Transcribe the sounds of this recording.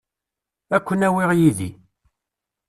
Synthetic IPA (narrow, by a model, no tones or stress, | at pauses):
ækʷːənæwɪʁjiðḭ